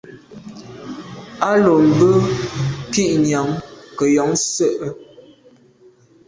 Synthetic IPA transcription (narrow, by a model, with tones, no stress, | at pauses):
a˦lo˨m̩˨bə˦ki˦ʔɲa˨˦ŋkə˨jɔ˨˦ŋsə˦˨ʔə˦